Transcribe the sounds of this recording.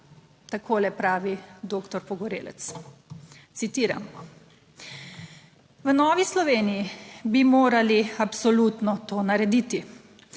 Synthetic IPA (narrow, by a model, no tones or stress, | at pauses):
t̪akʰoːlɛpɾaːʋid̪oːkt̪ɔɾpɔɡɔɾḛːlɛ̰t̪s | t̪sit̪iːɾa̰m | ʋənɔːʋislɔʋeːnijibimoːɾaliapsɔluːt̪nɔt̪oːnaɾɛd̪iːt̪i